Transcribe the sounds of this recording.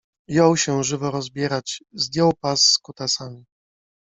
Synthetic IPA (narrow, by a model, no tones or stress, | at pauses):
jɔwɕɛʐɘvɔɾɔzbʲjɛɾat͡ɕzd̪ʲjɔwpasːkut̪asamʲi